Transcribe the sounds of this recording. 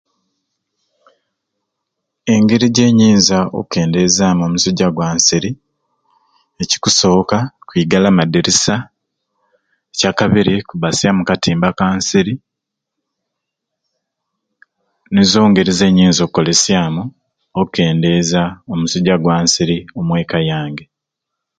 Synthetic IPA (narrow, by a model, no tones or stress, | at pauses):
e̞ŋɡeɾiɟe̞ːɲiːnzao̰ke̞ːnde̞ːzaːmo̞musuɟːaɡwaːnsiɾi | eci̥kuso̞ːkakwiːɡalamadiɾisa | ecakaβiɾikuβasjamukatiːmbakaːnsiɾi | nezo̞ːŋɡeɾize̞ːɲiːnzokkːo̞le̞sjaːmu | oke̞ːnde̞zao̞musuɟaɡwaːnsiɾio̞mwe̞ːkajaːŋɡe